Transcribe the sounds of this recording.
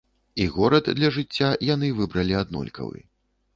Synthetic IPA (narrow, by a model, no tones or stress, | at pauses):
iɣɔɾɐd̪d̪lʲɐʐɨt͡sʲːajanɨvɨbɾɐlʲiad̪nɔ̰lʲkɐ̰vɨ̰